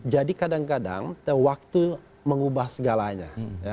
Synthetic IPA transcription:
d͡ʒadikadaŋkada̰ŋt̪wak̚t̪u | məŋubahsəɡalaɲa̰ja

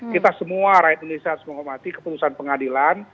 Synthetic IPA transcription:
kit̪asəmuaɾajt̪inonesiat̪ʊ̥sməŋomat̪ikə̥put̪usanpəŋadilan

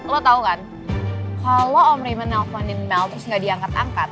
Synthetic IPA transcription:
lot̪aukan | kaloɔmɾejmanɛlfɔnɪnmɛlt̪əɾʊsŋɡaʔdiaŋkat̪a̰ŋkat̪̚

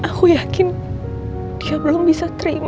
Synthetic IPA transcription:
ʔakujakɪn | d̥iabəlʊmbisat̪əɾḭm

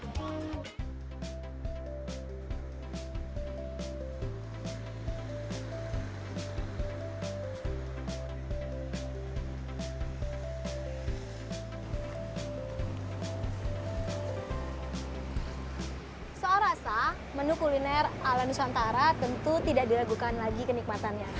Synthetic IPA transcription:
səoɾasa | mənukulinɛralanusant̪aɾat̪ənt̪ut̪idaʔdilaɡukanlaɡikənik̚mat̪anɲa

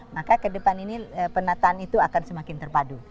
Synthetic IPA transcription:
makakədəpaniniəpənat̪aːnit̪uakansəmakɪnt̪ərpadu

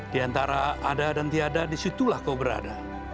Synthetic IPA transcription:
d̥iant̪aɾaadadant̪iadadisit̪ulahkaubəɾa̰da

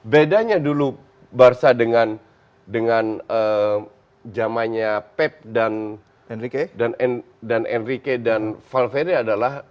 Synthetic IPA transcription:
bedaɲadulu | barsadəŋan | dəŋanə | d͡ʒamaɲapɛp̚dan | nikedanɛn | danʔɛ̰nrikedanfalfeɾiadalah

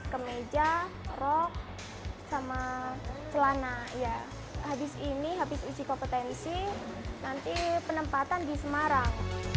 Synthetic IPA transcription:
kəmed͡ʒa | rɔk̚ | samat͡ʃəlanaja | habɪsiniɦabɪsud͡ʒikopət̪ɛnsinant̪ipənəmpat̪andisəmaɾaŋ

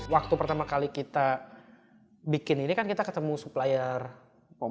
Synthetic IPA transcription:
wak̚t̪upərt̪amakalikit̪a | bikɪninikankit̪akət̪əmusuplajaɛr

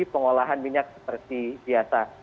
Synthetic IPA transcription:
ipəŋolaɦanmiɲak̚sə̥pərt̪ibiasa

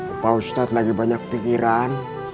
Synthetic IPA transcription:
pawst̪at̪laɡibaɲak̚pikiɾaːn

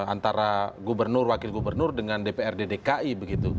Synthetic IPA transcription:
a̰nt̪aɾaɡubərnʊrwakɪlɡubərnʊrdəŋandepeɛrdedekaʔibəɡit̪u

